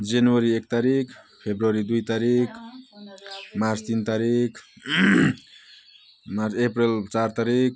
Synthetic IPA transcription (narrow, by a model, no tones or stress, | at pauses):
d͡zenuwʌɾiek̚t̪aɾik | pʰebɾuwʌɾid̪ujt̪aɾik | mart͡st̪int̪aɾik | mart͡seprelt͡sart̪aɾik